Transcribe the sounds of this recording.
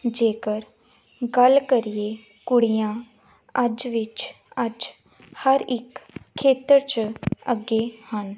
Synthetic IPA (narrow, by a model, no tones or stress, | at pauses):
d͡ʒeːkəɾ | ɡəlkəɾije | kʊɽijãː | əd͡ʒʋɪt͡ʃ | əd͡ʒ | həɾɪkʰːeːt̪əɾt͡ʃəɡeːhən